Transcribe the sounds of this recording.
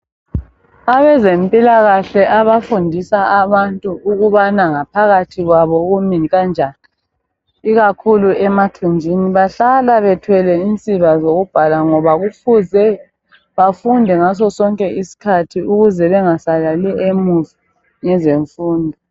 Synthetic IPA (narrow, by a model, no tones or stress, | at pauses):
aβɛzempʼilaɣaɬɛʔaβafundʱisaaβantʼuʔːɣuβanaŋapʰaɣatʰiɣwaβɔɣumiɣand͡ʒʱani | iɣakʰuluɛmatʰund͡ʒʱiniβaɬalaβɛtʰwɛlɛint͡sʼiβazoɣub̥ʱalaŋɔβaɣufuzɛ | βafundʱɛŋas̬ɔsɔŋkʼɛisi̥kʰatʰiuɣuzɛβɛŋasalalɛemuzi | ŋɛzeɱfuːndʱɔ